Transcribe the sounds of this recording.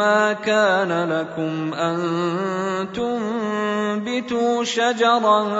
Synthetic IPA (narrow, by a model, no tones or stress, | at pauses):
aːkaːnalakʊmʔan | t̪ʊm | bɪt̪uːʃad͡ʒɑɾˤɑ